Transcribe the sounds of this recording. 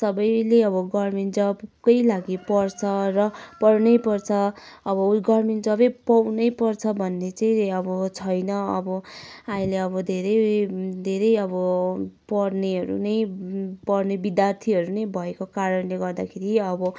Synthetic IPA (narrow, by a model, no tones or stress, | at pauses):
sʌbʌjleʌbʌɡʌrmind͡zʌbkʌjlaɡipʌrt͡sʰʌrʌpʌrnʌjpʌrt͡sʰʌ | ʌbʌɡʌrmend͡zʌbʌjpʌwnʌjpʌrt͡sʰʌbʱʌnːet͡saĩʌbʌt͡sʰʌjnʌʌ̰bʌaĩleʌbʌd̪ʱeɾʌjd̪ʱeɾʌjʌbʌpʌrneɦʌɾṵnʌjpʌrnebid̪jart̪ʰiʌɾunʌjbʱʌekokaɾʌnleɡʌrd̪akʰeɾiʌbʌ